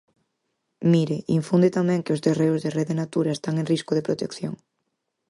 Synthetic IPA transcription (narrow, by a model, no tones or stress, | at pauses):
miɾɪiɱfund̪ɪt̪amɛ̃ŋkɪʊzðereʊzðereðɪnat̪uɾɐest̪aŋenriskʊðeɪpɾot̪ekθjoŋ